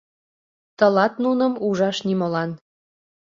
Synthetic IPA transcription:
t̪ɤlɑt̪nunəmuʒɑʃnimolɑn

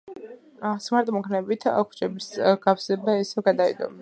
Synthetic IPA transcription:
smaɾt̪ʼɔmɔkʰnɛbit̪ʰa̰kʷʰt͡ʃʼɛbisɡapsɛbaɛsɛɡad̪aḭd̪ɔ̰m

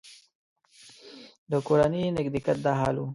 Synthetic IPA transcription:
d̪əkoɾanənɪk̚d̪ɪkat̪̚d̪aɦɑlu

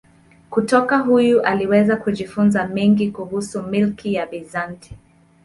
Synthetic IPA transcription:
kutɔkaɦujuʔaliwɛzakuʄifunzamɛŋɡikuhusumilkijabizantʰi̥

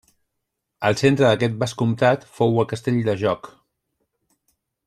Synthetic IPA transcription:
əlˠsent̪ɾəðəkɛt̪̚baskumt̪at̪fowəlˠkəst̪eʎʲd̪əʒɔk

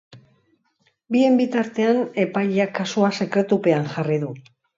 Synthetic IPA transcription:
bie̞mbit̪aɾt̪e̞ane̞pajʎakasoase̞kɾe̞t̪upe̞anʝariðu

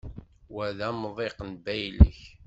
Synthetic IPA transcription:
wæðæmðˤeqnbæjlə̰ç

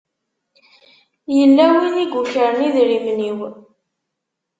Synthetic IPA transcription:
jəlːæwiniɡuçəɾəniðɾimniw

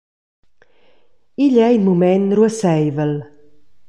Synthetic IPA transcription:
iʎɛinmumɛnrwəsɛjvəl

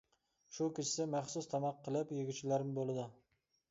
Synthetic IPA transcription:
ʃukʲit͡ʃʰɪ̥sɪmæχsust̪ʰɑmɑqʰːəlˠɪpjeɡʲyt͡ʃʰilæɾɪmbolˠɨd̪ʊ

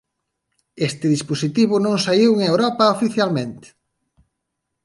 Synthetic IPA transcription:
est̪ɪðisposit̪iβʊnõŋsaiweŋewɾɔpɐofiθjalmẽnt̪ɪ̥

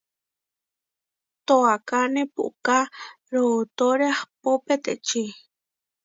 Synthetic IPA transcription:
t̪oakanepṵʔka | ɾoːt̪oɾeaχpopet̪eʔt͡ʃi

